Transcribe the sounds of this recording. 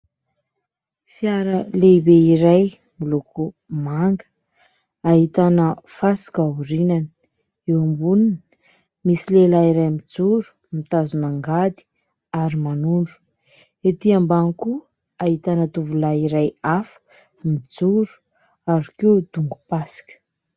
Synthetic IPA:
fjaɾəlebeiɾaj | milukʰu | maŋɡə̥ | aɦit̪anəfasi̥kauɾinani̥ | ewambunini | misilelaiɾajmid͡zuɾu̥ | mit̪azunaŋɡad̪i̥ | aɾimanuɳɖ͡ʐu̥ | et̪iambanku | aɦit̪anət̪uvulaiɾajafə̥ | mid͡zuɾu̥ | aɾikeud̪̥uŋɡu̥pasi̥kə̥

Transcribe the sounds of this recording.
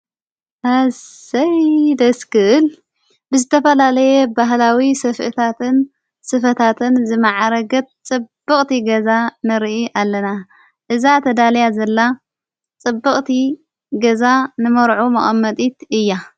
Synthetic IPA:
haɐjd̪ɐskɨʔɨl | bɨzɨt̪ʰɐfɐlalɐjebaɦlawisɐfʔɨ̰t̪ʰat̪ʰɨn | sɨfɐt̪ʰat̪ʰɨnzɨmaʕaɾɐɡɐt̪̚t͡sʼɨbːɨkʼt̪iɡɐzanɨɾʔiʔalːɐna | ʔɨzat̪ʰɐd̪alɐjazɐlːa | t͡sʼɨbːɨχʼt̪i | ɡɐzanɨmɐɾʕumɐχʼɐmːɐt̪ʼit̪ɨjːa

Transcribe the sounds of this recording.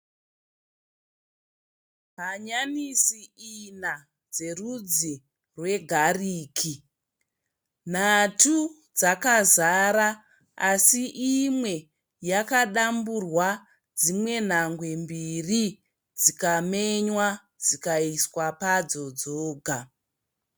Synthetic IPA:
ɦaɲanisiina | d͡ze̞rud͡zi | rwe̞ɡʱariːkʰi | n̤atu | d͡zakazaɾa | asiʔimwe̞ | jakaɗamburwa | d͡zimwe̞n̤aŋɡwe̞mbiri | d͡zikame̞ɲwa | d͡zikaiswapad͡zo̞d͡zoːɡʱa

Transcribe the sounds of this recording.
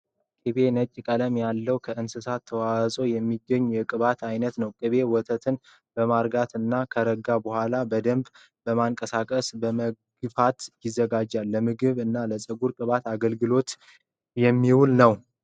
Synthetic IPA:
kʼɨβe̞nət͡ʃʼːkʼələmjalːəwkʰəʔɨnsɨsat̪ʰːəwasʼo̞jɛmːiɡːəɲːujɛkʼɨβat̪ʰajnət̪nəwkʼɨβe̞wɔt̪ʰət̪ʰɨn | b̥əmaɾɡat̪ɨnːakʰəɾəɡabəhʷalabəd̪əmb | bəmaŋkʼəsakʼəsbəmə | ɡɨfat̪jɪzːəɡad͡ʒːalːəmɨɡɨβɨnːaləsʼəɡuɾkʼɨβat̪aɡəlɡɨlo̞t̪ | jɛmːiwulnəw

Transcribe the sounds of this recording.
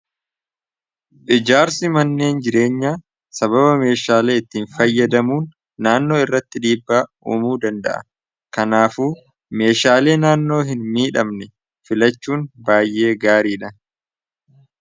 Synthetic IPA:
ʔɪd͡ʒaːɾsɪmɐnːe̞ːnd͡ʒɪɾe̞ːɲːaː | sɐbɐbɐme̞ːʃaːle̞ːɪt̪ːiːnfɐjːɐd̪ɐmuːnː | aːnːo̞ːɪrːɐt̪ːɪᶑiːbːaːṵːmuːd̪ɐnd̪ɐ̰ʔɐ̰ | kɐnaːfuː | me̞ːʃaːle̞ːnaːnːo̞ːɦɪnmiːᶑɐmnɛ | fɪlɐt͡ʃːuːnbaːjʔe̞ːɡaːɾiːᶑɐ

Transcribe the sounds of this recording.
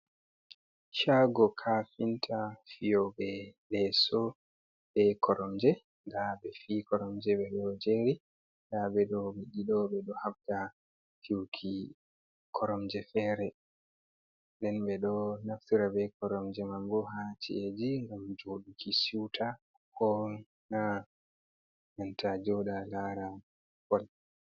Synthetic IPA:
ʃaɡɔkʰafintʰafijɔbɛɗɛsɔ | ɓɛkʰɔɾɔmd͡ʒɛ | ndabɛfikɔɾɔmd͡ʒɛɓɛɗɔd͡ʒeɾi | ndaɓɛɗɔmiɗiɗɔɓɛɗɔhafda | fiwkʰi | kʰɔɾɔmd͡ʒɛfɛːɾɛ | nɗɛnɓɛɗɔnaftiɾabɛkɔɾɔmd͡ʒɛmambɔɦat͡ʃʰḭed͡ʒiŋɡamd͡ʒoɗukʰisiwtʰa | hɔ | na | jantʰad͡ʒɔɗalaːɾa | fɔl

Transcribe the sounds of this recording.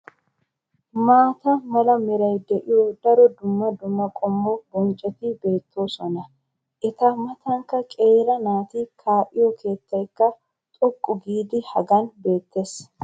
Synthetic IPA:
maːt̪ɐmɐlɐmɪɾɐjd̪ɛʔɪjɔd̪ɐɾɔd̪ʊmːɐd̪ʊmːɐkʼɔmːɔbɔnt͡ʃʼɛt̪ɪbe̞ːt̪ʰːo̞ːsɔnɐ | ʔɛt̪ɐmɐt̪ɐŋkːɐkʼe̞ːɾɐnaːt̪iːkʰaːʔɪjɔkʰe̞ːt̪ːɐjkːɐ | t̪ʼɔkʼːʊɡiːd̪ɪhɐɡɐnbe̞ːt̪ːes

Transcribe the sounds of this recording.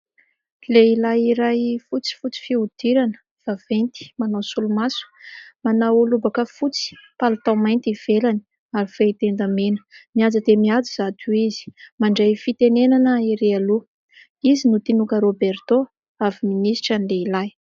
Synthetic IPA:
leilajiɾajfut͡si̥fut͡si̥fiud̪̥iɾanə̥ | v̥avent̪i̥manawsulumasu̥manawulubakəfut͡si̥palat̪awmajnt̪iv̥elani | aɾifeit̪end̪amenə̥miad͡zəd̪emiad͡zizat̪uizi̥maɳɖ͡ʐejfit̪enenanəiɾealu | izinut̪inukəɾobert̪o | aviminisʈ͡ʂanleilaj

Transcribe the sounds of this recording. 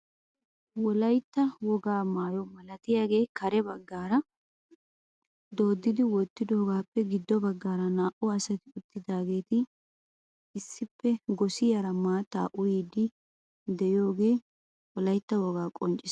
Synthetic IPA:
wɔlɐjt̪ːɐwɔɡaːmaːjɔmɐlɐt̪ɪjaːɡe̞ːkɐɾɛbɐɡːaːɾɐ | d̪o̞ːd̪ːɪd̪ɪwɔt̪ːɪd̪o̞ːɡaːpːɛɡɪd̪ːɔbɐɡːaːɾɐnaːʔʊɐsɐt̪ɪʊt̪ːɪd̪aːɡe̞ːt̪ɪ | ɪsːɪpːɛɡɔsɪjɐɾɐmaːt̪ːa̰ʔʊjiːd̪ɪ | d̪ɛɪjo̞ːɡe̞ː | wɔlɐjt̪ːɐwɔɡaːkʼɔnt͡ʃʼːɪs

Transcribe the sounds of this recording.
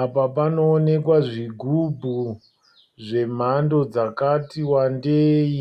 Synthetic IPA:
apapano̞ːne̞kwaʐiɡʱubʱu | ʐe̞m̤ando̞d͡zakatiwandeːi

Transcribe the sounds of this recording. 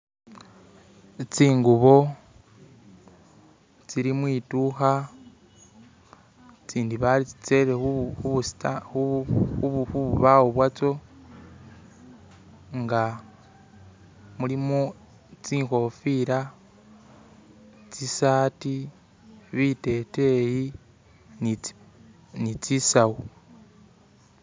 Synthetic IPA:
t͡siːŋɡuβo̞ | t͡siɾimwiːtuxa | t͡siːndiβait͡sit͡se̞βeuuβustauuxuβuβawoβwat͡so̞ | ŋɡa | mulimo | t͡siːŋxo̞fiɾa | t͡sisaːti | βite̞te̞ji | n | nit͡sisawu

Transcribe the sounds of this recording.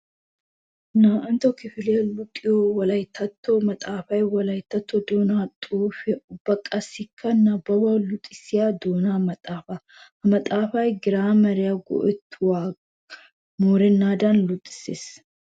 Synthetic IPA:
naːʔɐnt̪ɔkɪfɪlɛjɐlʊt̪ʼːɪjowɐlɐjt̪ʰːɐt̪ʰːɔmɐt̪ʼaːfɐjwɐlɐjɪt̪ːɐt̪ːɔd̪oːnaːt̪ʼuːfɛʔʊbːɐkʼɐsɪkʰːɐnɐbɐbɐlʊt̪ʼːɪsɪjad̪oːnamɐt̪ʼaːfɐ | hɐmɐt̪ʼaːfɐjɡɪɾaːmɐɾɪjaɡɔ̰ʔɛt̪ːwaː | moːɾɛnːaːd̪ɐnlʊt̪ʼːɪ̥seːs

